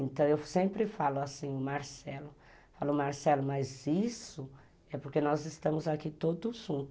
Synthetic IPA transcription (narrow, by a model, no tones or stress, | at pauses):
ẽt̪ɐ̃w̃ewsẽmpɾɪfalʊasĩʊmaɾsɛlʊ | falʊmaɾsɛlʊmazisʊ | ɛpoɾkenɔzɪst̪ɐ̃mʊzakit̪od̪ʊʒũt̪ʊʊ